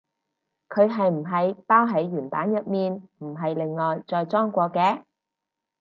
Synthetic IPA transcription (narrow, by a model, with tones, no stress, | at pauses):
kʰɵ˨˧ɥɦɐ˨jm̩˨˩ɦɐ˨˧jpaː˥wɦɐ˨˥jɥyː˨˩npaː˨˥njɐ˨t̚miː˨nm̩˨˩ɦɐ˨jlɪ˨ŋːɔː˨jt͡sɔː˨jt͡sɔː˥ŋkʷɔː˧kɛː˧